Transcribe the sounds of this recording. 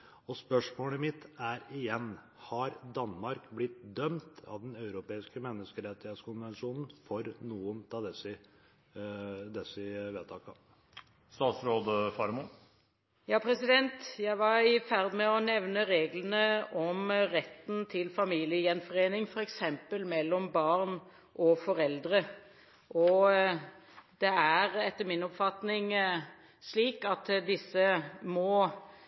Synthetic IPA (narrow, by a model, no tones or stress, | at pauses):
ɔspœʂmoːləmɪt̪ːæɾɪjɛnː | hɑɾd̪ɑnmɑɾkblɪt̪̚d̪œmt̪ɑ̰ʋd̪ɛnɑʉɾʊpeːɪskəmɛnːəskəɾɛt̪ːɪheːt̪skʊnʋɛnʂuːnn̩fɔɾnuːənt̪ʰɑːd̪ɛsɪ | d̪ɛsɪʋeːt̪ʰɑːkɑ̰ | st̪ɑːt̪sɾoːd̪əfɑɾmu | jɑːpʰɾɛsɪd̪ɛnt̪jæɪʋɑɾfæʁd̪mɛɔnɛʋnəɾeːɡlənəɔmɾɛt̪ːn̩t̪ʰɪlfɑmiːlɪəjɛnfɔʁeːnɪŋfɔɾɛksɛmpəlmɛlːɔmbɑʁn | ʔɔfɔɾɛld̪ɾə | ʔɔ | d̪̥ɛæɾɛt̪ːəmɪnɔpfɑt̪nɪŋ | sliːkɑt̪d̪ɪsːəmɔ